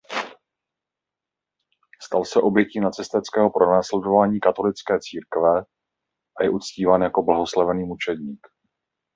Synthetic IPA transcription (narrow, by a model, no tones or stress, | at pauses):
st̪alsɛʔo̞bjɛciːnat͡sɛst̪ɛt͡skɛːɦo̞pɾonaːslɛdo̞vaːɲiːkat̪o̞lɪt͡skɛːt͡siːɾkvɛ | ʔajɛʔut͡sciːvaːnjako̞blaɦo̞slavɛniːmut͡ʃɛdɲiːk